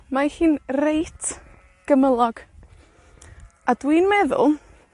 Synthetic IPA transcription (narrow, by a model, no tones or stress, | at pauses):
mahiːnrejtʰ | ɡ̥əməlˠɔɡ̥ | adwiːnmɛðʊ̰lˠ